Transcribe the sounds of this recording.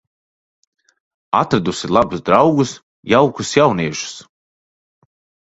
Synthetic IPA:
at̪ɾad̪usilˠabusd̪ɾawɡus | jawkusjawniɛʃu̥s

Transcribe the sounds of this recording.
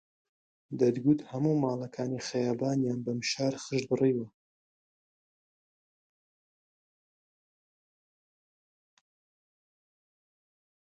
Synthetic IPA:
d̪ɐd̪ɡut̪hɐmumaːlˠɐkʰaːnixajaːbaːnjaːnbɐmʃaːɾχɨʃd̪bɨriːwɐ

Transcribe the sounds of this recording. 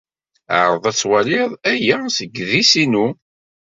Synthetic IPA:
ə̰ʕɾˤəðˤæt͡sːwælɪðˤæjæsəɡːðisinu

